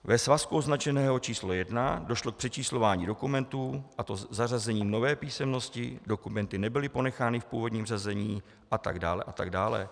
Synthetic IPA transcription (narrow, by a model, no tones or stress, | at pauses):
vɛsvaskuʔo̞znat͡ʃɛnɛːɦo̞t͡ʃiːslo̞jɛdnado̞ʃlo̞k̚pr̥ɛt͡ʃiːslo̞vaːɲiːdo̞kumɛnt̪uːʔat̪o̞zarazɛɲiːmno̞vɛːpiːsɛmno̞scɪ̰do̞kumɛnt̪ɪnɛbɪlɪpo̞nɛxaːnɪfpṵːvo̞dɲiːmr̝ɛzɛɲiː | ʔat̪a̰ɡdaːlɛ̰ʔat̪aɡdaːlɛ̰